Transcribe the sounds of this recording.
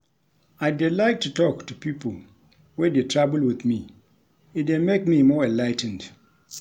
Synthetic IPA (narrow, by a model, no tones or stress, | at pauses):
aɪdɪlaɪk̚tʰːutɔktupipəl̩ˠ | wɛdetʰɹabəlwɪðmi | ɨdemek̚mimɔɹɛ̃nlaɪtn̩d̥